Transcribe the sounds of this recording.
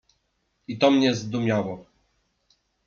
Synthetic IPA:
it̪ɔmɲɛzd̪umʲjawɔ

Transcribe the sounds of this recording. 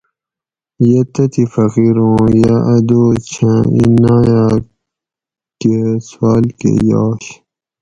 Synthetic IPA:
jɐt̪ɐt̪ifɐqiɾõːjaʔɐd̪oːt͡ɕʰãḭnaja | keswaːlkḛjɑːɕ

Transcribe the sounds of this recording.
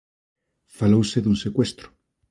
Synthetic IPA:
falowseðunsekwest̪ɾʊ̥

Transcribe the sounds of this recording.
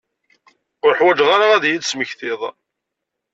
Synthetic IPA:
ʊɾħwæd͡ʒʁaɾaæðjid̪sməçθɪðˤ

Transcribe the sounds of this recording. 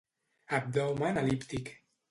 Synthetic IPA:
ab̚d̪owmanalipt̪ik

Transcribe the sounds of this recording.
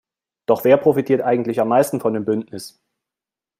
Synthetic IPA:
d̥ɔχv̥eːɐpʁ̥ofitʰiːɐtʔaɪɡŋ̩tlɪçamːaɪstn̩fɔndeːmbʏntnɪs

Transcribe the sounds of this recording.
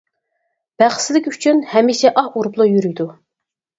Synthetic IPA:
b̥æχsɪd̪ɪkʲyt͡ʃʰynhɛmːiʃɛʔɑhuɾplˠʊjyɾyjd̪u

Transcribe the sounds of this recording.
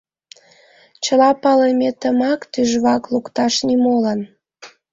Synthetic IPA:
t͡ɕəlɑpɑlemʲet̪əmɑkt̪yʒβɑklukt̪ɑʃnimolən

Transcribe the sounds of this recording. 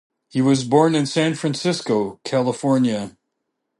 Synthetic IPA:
hiwʌzbɔɹnɨ̃nsæ̃nfɹæ̃nsɪskoʊkʰælˠəfɔɹnjɨ

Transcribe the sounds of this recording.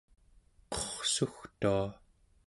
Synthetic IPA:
qʌ̥χsuxt̪ua

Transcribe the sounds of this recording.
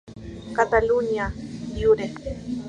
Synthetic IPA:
kat̪alunjajʊɾeχ

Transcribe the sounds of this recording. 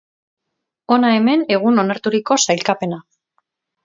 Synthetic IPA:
o̞nae̞me̞ne̞ɣ̞uno̞naɾt̪uɾiko̞sajlkape̞na

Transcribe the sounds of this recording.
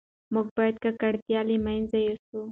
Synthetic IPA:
muɡ̚bɑjad̪kakaɽt̪jɑlimajnzajosu

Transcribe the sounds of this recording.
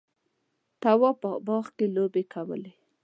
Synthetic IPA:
t̪awɔpəbɑxkelobekʰawə̰le

